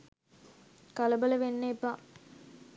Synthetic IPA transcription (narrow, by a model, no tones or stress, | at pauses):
kɐlɐbələʋenːeːpa